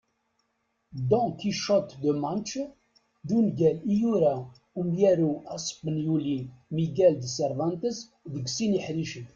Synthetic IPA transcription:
d̪ɔ̃kiʃət̪d̪əmant͡ʃ | ðunɡælijuɾæ | umjæɾuæsˤə̥pːənjulimiɡæld̪səɾvɑnt̪əs | ðəɡsiniħɾiʃəθ

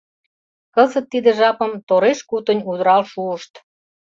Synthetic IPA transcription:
kəzət̪ːid̪ĕʒɑpəmt̪oɾeʃkut̪ə̆nʲud̪ɾɑlʃuəʃt̪

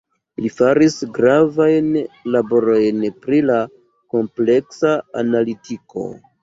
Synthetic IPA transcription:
lifaɾisɡɾavajnlabo̞ɾo̞jnpɾila | ko̞mple̞ksaanalitikʰo̞̰

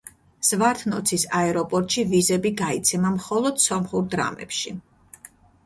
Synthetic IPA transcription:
z̥vaɾt̪ʰnɔt̪sʰisaɛɾɔpʼɔɾt̪ʼʃivizɛbiɡait̪sʰɛmamχɔlˠɔd̪̥sɔmχuɾd̪ɾa̰mɛ̰pʃi

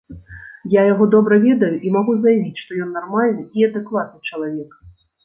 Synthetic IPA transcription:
jajaɣɔd̪ɔbɾɐvʲɛd̪ɐjuʔimaɣuzɐjavʲit͡sʲʂt̪ɔjɔnːarmalʲnɨiɐd̪ɛkvat̪̚nɨt͡ʂɐlˠavʲɛk

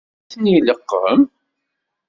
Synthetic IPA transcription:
niləqːəm

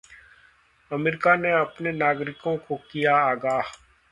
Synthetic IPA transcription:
ɐmeːɾɪkaneɐpnenaːɡɾɪkõkokijaːɡaː

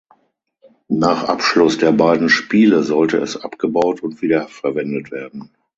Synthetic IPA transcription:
naːχʔapʃlʊsd̥eːɐbaɪdn̩ʃpiːləzɔltəɛ̰sʔapɡ̥əbaʊtʰʊntv̥iːdɐfɛɐvɛndətv̥eːɐdn̩

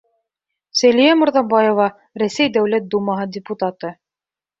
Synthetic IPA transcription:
sælijæmʊ̆ɾðɑbɑjovɑ | ɾæsæjd̪æwlæt̪̚d̪umɑɦɤdʲɪput̪at̪ɤ

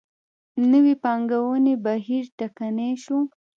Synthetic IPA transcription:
nəwipɑŋɡawənebaɦiɾʈakaneʃu

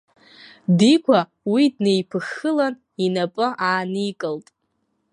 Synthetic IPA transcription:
dikʷʰa | widnejpʰɨxːɨlan | inapʼɨʔaːnikʼɨltʼ

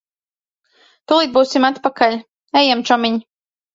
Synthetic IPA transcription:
t̪ulˠiːt̪̚buːsimat̪pakalʲ | ɛjɛmt͡ʃɔmiɲ

